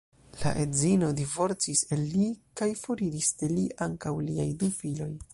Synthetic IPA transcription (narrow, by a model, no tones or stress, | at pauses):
la̰ʔezino̞divo̞ɾt͡siselːikajfo̞ɾiɾisde̞liʔaŋkawliajdufilo̞j